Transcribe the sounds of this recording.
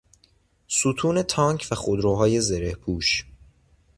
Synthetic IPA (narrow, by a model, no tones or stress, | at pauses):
sut̪ʰuːne̞t̪ʰɒːŋkʰvæxod̪ɾoːɦɒːje̞zeɾe̞hpʰuːʃ